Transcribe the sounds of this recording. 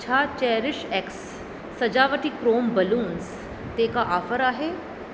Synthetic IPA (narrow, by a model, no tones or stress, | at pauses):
t͡ʃʰaːt͡ʃɛːɾɪʃeksː | ɐd͡ʒaːʋəʈikɾoːmbɐluːns | t̪eːkaʔaːfəɾaːɦeː